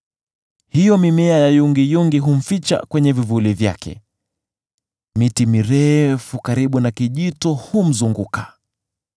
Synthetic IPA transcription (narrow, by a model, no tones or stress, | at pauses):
hijɔmimɛajajuŋɡijuŋɡiɦum̩fit͡ʃa̰kwɛɲɛvivulivja̰kɛ̰ | mitimiɾɛfukaɾiɓunakiʄitɔhum̩zuŋɡukḁ